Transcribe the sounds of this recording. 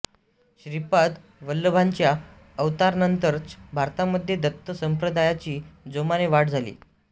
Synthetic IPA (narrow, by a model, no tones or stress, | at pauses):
ɕɾipad̪ | ʋəlːəbʱãɲt͡ɕja | əʋt̪aɾnənt̪əɾbʱaɾt̪aməd̪ʱjed̪ət̪ːəsəmpɾəd̪ajat͡ɕiːd͡zomaneʋaʈd͡zʱalḭː